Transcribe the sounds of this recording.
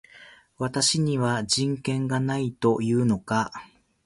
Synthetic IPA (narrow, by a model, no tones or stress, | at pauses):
βat̪aɕiɲ̟iβad͡ʑĩŋkẽ̞ŋɡanait̪o̞jɯ̟ːno̞ka